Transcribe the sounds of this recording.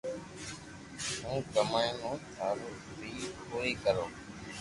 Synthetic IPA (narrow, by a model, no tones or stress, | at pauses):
ɦũːkəmaːjnõːt̪ʰaːɾoː | bʱiːpoːiːkəɾoː